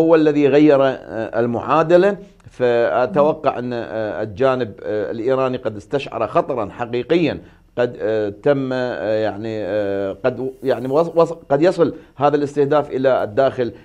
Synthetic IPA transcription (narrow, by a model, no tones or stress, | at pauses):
ʊwːlːaðiɣajːɑɾˤɑɪ̰lmʊ̰ʕaːd̪ala | faʔat̪awɑqːɑ̰ʕʔɪnːa̰ld͡ʒaːnɪb̰lʔiːɾaːniqɑd̪ɪst̪aʃʕɑ̰ɾˤɑxɑt̪ˤɑɾˤɑnħaqiːqɪjːan | qɑd̪t̪amːjaʕniqɑd̪jaʕniwwɑˤqɑd̪jɑsˤɨlhaːðalʔɪst̪ɪhd̪aːfʔɪlad̪ːaːxɪl